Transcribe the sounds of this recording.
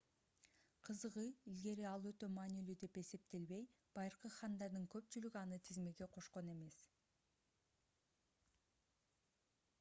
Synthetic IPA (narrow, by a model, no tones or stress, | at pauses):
qʰɯzɯʁɯilɡe̞ɾiɑlˠø̞t̪ø̞mɑːnilyd̪e̞pe̞se̞p̚t̪e̞lβe̞j | b̥ɑjɯɾqɯχɑnd̪ɑɾd̪ɯŋkø̞pt͡ʃylyɡiɑnɯt̪ʰizme̞ɡe̞qʰo̞ʃqo̞ne̞me̞s